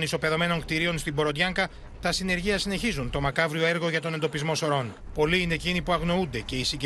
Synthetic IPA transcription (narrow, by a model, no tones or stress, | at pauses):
niso̞pe̞ðo̞me̞no̞ŋkt̪iɾio̞nst̪ibo̞ɾo̞t̪ʝɐŋkɐ | t̪ɐsine̞ɾʝiɐsine̞çizunt̪o̞mɐkɐvɾio̞e̞ɾɣo̞ʝɐt̪o̞nend̪o̞pizmo̞so̞ɾo̞npo̞liine̞ːcinipuɐɣno̞und̪e̞ce̞isiɟ